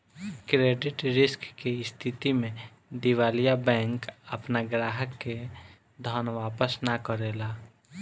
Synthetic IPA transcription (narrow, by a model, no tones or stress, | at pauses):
kɾeːɖɪʈɾɪskːeɪst̪ʰɪt̪imẽ | d̪iʋaːlijabɛ̃ːŋkəpnaɡɾaːɦəkːe | d̪ʱəːnʋaːpəsnakəɾelaː